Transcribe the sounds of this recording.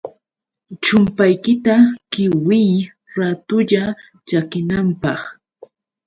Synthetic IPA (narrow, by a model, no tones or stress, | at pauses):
t͡ʃʊmpajkɪt̪akɪwɪj | ɾat̪ʊʎa | t͡ʃakɪnampɑχ